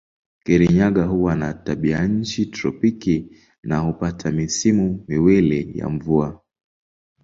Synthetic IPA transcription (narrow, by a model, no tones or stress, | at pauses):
kiɾiɲaɠaɦuwanataɓiaɲ̩t͡ʃitɾɔpiki | nahupatʰamisimumiwilɛja̰ɱvua